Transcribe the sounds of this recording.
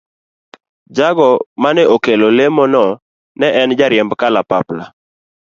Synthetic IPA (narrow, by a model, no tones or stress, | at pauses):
d͡ʒaɡɔmanɛokelolemɔnɔ | nɛʔɛnd͡ʒaɾɪjɛmbkalapapla̰